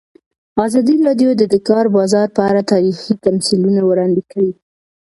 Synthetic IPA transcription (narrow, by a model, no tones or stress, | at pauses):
azɑd̪iɾɑɖjod̪əd̪əkɑɾbɑzɑɾpəaɾat̪ɑɾixit̪amsilunawɾɑnd̪ekawi